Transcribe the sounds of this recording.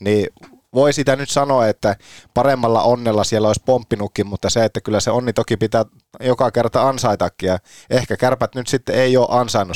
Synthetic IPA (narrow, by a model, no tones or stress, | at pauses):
niː | ʋoisit̪ænyt̪sɑnoɑet̪ːæpɑremːɑlːɑ̰ʔonːelːɑsielːæoˑisʲpompːinukːimmut̪ːɑseet̪ːækylːæseonːit̪okipit̪æ | jokɑkert̪ɑɑnsɑit̪ɑkːijɑʔehkækærpæt̪nyt̪sit̪ːeeioːʔɑnsɑinːu